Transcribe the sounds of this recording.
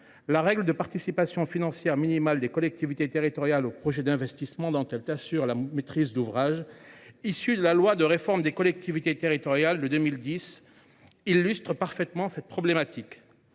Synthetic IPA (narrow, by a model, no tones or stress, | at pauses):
laʁɛɡləd̪əpaʁt̪isipasjɔ̃finɑ̃sjɛʁminimald̪ekɔlɛk̚t̪ivit̪et̪eʁit̪ɔʁjalopχɔʒɛd̪ɛ̃vɛst̪ismɑ̃d̪ɑ̃t̪ɛlt̪asyʁlamet̪χizd̪uvʁaʒisyd̪əlalwad̪əʁefɔʁmd̪ekɔlɛk̚t̪ivit̪et̪eʁit̪ɔʁjald̪əd̪ømild̪is | ilːyst̪χəpaʁfɛt̪mɑ̃sɛt̪̚pχɔblemat̪ik